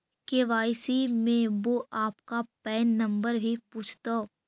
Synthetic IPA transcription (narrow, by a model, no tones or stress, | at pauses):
keʋaːɪsimẽʋoʔaːpkapɛːnːɐ̃mbəɾbʱipuːt͡ʃʰt̪a